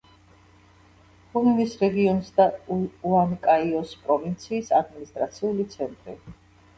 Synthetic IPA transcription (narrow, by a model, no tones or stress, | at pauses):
χuminisɾɛɡiɔnsd̪auamkʼaiɔspʼɾɔvint̪sʰiːsad̪minist̪ʼɾat̪sʰiulit̪sʰɛnt̪ʼɾḭ